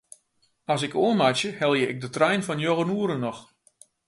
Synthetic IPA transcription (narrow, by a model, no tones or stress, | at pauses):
ɔs̬ɪkoəmat͡ʃjəhɛlˠjəɪɡ̚dətrɛjnfɔnjoɣənuəɾənːɔx